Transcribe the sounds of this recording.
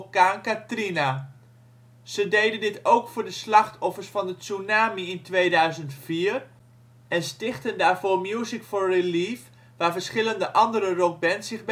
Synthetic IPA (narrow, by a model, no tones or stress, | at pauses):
kaːnkatrina | z̥ədejdəndɪtowkfʊːɹdəslɑχtɔfəɹsfɑndəsunaːmiɪntʋejdœɥzəntfiːr | ɛnstɪχtəndaːɹvoːɹmjuzikfoːɹriliːf | ʋaːɹvəɹsχɪləndəʔɑndəɾərɔk̚bɛnsɪχb